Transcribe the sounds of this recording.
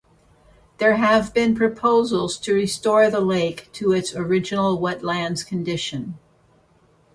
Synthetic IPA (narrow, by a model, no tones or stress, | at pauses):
ðə˞ɨvbɪ̃npʰɹ̥ɨpʰoʊzl̩ˠz̥tʰɨɹistɔɹðəleɪktʰəɪtsə˞ɪd͡ʒɨnl̩ˠwɛtˡlæ̃ndz̥kʰɨ̃ndɪʃɨ̃n